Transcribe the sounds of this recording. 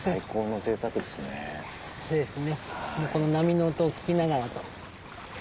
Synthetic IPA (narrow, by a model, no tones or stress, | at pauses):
saiko̞ːno̞se̞ːt̪akɯ̟d̪e̞sɨnḛ | soːd̪esɨne̞moko̞no̞namʲino̞ːt̪oːkʲi̥kʲinaɡaɾat̪o